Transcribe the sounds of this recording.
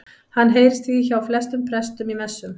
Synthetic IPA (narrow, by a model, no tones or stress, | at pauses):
hanːɦeːjɾɪst̪ʰiiçawflɛst̪ʏmpʰɾɛst̪ʏmimɛsːʏm